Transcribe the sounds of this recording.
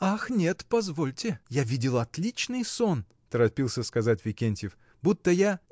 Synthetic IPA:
axnʲe̞t̪pɐzvolʲtʲɪjavʲidʲɪlˠɐt̪lʲit͡ɕnɨjson | t̪əɾɐpʲilˠsʲəskɐzatʲvʲɪkʲenʲtʲjɪf | but̪ːəja

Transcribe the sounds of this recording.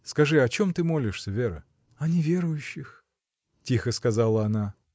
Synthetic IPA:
skɐʐɨɐt͡ɕo̞mt̪ɨmo̞lʲɪʂsʲəvʲeɾə̰ | ɐnʲɪvʲe̞ɾʊjʉɕːɪx | tʲixəskɐzalˠəɐna

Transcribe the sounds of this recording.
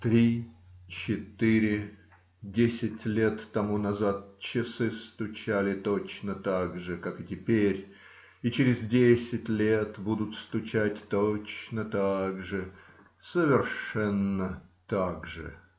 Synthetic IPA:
t̪ɾʲit͡ɕɪt̪ɨɾʲɪ | dʲesʲɪtʲlʲe̞t̪ːɐmunɐzat̪̚t͡ɕɪsɨst̪ʊt͡ɕælʲɪt̪ot͡ɕnət̪aɡʐɨkakɨtʲɪpʲeɾʲ | it͡ɕɪɾʲɪzdʲesʲɪtʲlʲet̪bud̪ʊt̪st̪ʊt͡ɕætʲt̪ot͡ɕnət̪aɡʐɨ | səvʲɪrʂɛnːət̪aɡʐɨ̰

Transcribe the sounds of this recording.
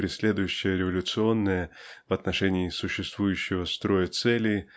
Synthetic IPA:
ɾʲɪsʲlʲe̞d̪ʊjʉɕːɪjəɾʲɪvɐlʲʊt̪sɨo̞nːəjəvɐt̪nɐʂɛnʲiːsʊɕːɪst̪vujʉɕːɪvəst̪ɾo̞jət̪sɛlʲɪ

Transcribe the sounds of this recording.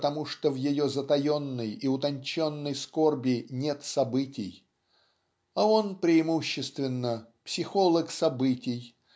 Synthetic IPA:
t̪ɐmuʂt̪ovjɪjo̞zət̪ɐjo̞nːəjiʊt̪ɐnʲt͡ɕo̞nːəjsko̞rbʲɪnʲet̪sɐbɨtʲɪj | ao̞npɾʲɪːmuɕːɪst̪vʲɪnːəpsʲɪxo̞lˠəksɐbɨtʲɪj

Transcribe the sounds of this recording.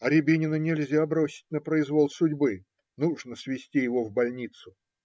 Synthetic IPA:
ɐɾʲɪbʲinʲɪnənʲɪlʲzʲabɾo̞sʲɪ̥tʲnəpɾəɪzvo̞lˠsʊdʲbɨ | nuʐnəsvʲɪsʲtʲijɪvo̞vbɐlʲnʲit̪sʊ

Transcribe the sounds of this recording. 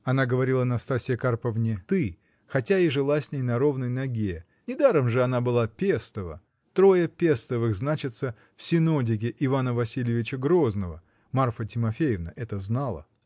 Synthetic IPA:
ɐnaɡəvɐɾʲilˠənɐst̪asʲɪjəkarpəvnʲɪt̪ɨ | xɐtʲaɪʐɨlˠasʲnʲejnɐɾo̞vnəjnɐɡʲe | nʲɪd̪aɾəmʐɨɐn̪abɨlˠapʲest̪əvə̰ | t̪ɾo̞jəpʲe̞st̪əvɨxznat͡ɕɪt̪sə | fsʲɪnodʲɪɡʲɪʔɪvanəvɐsʲilʲɪvʲɪt͡ɕəɡɾo̞znəvə | marfətʲɪmɐfʲejɪvnə̰ʔɛt̪əznalˠə̰

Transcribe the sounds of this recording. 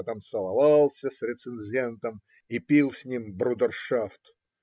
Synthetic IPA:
t̪amsəlˠɐvɑlˠsʲəsɾʲɪt̪sɨnʲzʲent̪əm | ipʲilˠsʲnʲimbɾud̪ərʂaft̪

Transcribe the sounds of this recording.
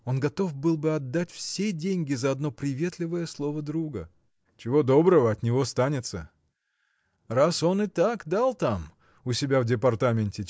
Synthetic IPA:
o̞nɡɐt̪o̞fbɨlˠbɨɐd̪ːatʲfsʲedʲenʲɡʲɪzɐɐd̪no̞pɾʲɪvʲe̞t̪lʲɪvəjəslˠo̞vəd̪ɾuɡə | t͡ɕɪvo̞d̪o̞bɾəvəɐt̪nʲɪvo̞st̪anʲɪt̪sə | raso̞nɨt̪akd̪alˠt̪am | ʊsʲɪbʲavdʲɪpɐrt̪amʲɪnʲtʲɪ

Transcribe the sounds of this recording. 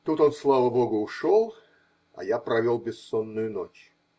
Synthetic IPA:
t̪ut̪onslˠavəboɡʊːʂolˠ | ɐ̰japɾɐvʲolˠbʲɪsːonːʊjʊnot͡ɕ

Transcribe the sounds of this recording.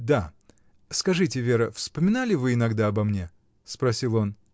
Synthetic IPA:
d̪a | skɐʐɨtʲɪvʲeɾəfspəmʲɪnalʲɪvɨɪnɐɡd̪aɐbɐmnʲe̞ | spɾɐsʲilˠo̞n

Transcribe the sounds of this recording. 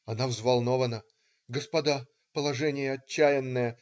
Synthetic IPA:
ɐnavzvɐlˠno̞vənə | ɡəspɐd̪a | pəlˠɐʐɛnʲɪjəɐt͡ɕːæjɪnːəjə

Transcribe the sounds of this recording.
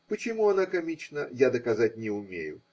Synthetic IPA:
pət͡ɕɪmuɐnakamʲit͡ʃnəjad̪ɐkazat̚ʲnʲɪʊmʲḛjʊ

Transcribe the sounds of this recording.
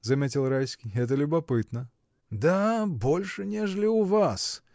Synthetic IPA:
zɐmʲetʲɪlˠrajsʲkʲijɛt̪̬əlʲʊbɐpɨt̪nə | d̪abo̞lʲʂɨnʲeʐəlʲɪʊvas

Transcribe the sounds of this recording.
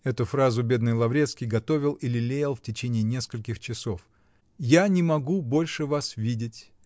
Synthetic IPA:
ɛt̪ʊfɾazʊbʲe̞d̪nɨjlˠɐvɾʲe̞t̪skʲɪjɡɐt̪o̞vʲɪlˠɪlʲɪlʲejɪlˠftʲɪt͡ɕenʲɪɪnʲe̞skəlʲkʲɪxt͡ɕɪso̞f | janʲɪmɐɡubo̞lʲʂɨvasvʲidʲɪtʲ

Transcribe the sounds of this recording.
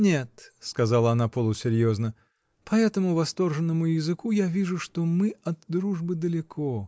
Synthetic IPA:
nʲet̪skɐzalˠəɐnapolˠʊsʲɪɾʲjoznə | pʰɐɛt̪əmʊvɐst̪o̞rʐɨnːəmʊjɪzɨkujavʲiʐʊʂt̪omɨɐd̪ːɾuʐbɨd̪əlʲɪkʰo

